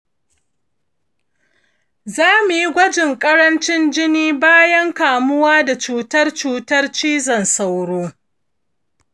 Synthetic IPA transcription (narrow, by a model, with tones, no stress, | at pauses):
zaː˦mu˨ji˦ɡʷɐ˦d͡ʒɪ˨ŋkʼɐ˦ɽɐ˦nt͡ʃɪ˦nd͡ʒɪ˦niː˦baː˦jɐ˦ŋkaː˨mʊ˦waː˦da˨t͡ʃuː˨tɐ˦rt͡ʃuː˨tɐ˦rt͡ʃiː˦zɐ˨nsa˨wɽoː˦